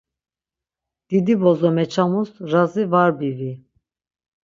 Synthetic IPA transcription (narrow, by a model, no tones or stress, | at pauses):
d̪̥id̪ibɔzɔmɛt͡ʃʰamusɾazivaɾbivi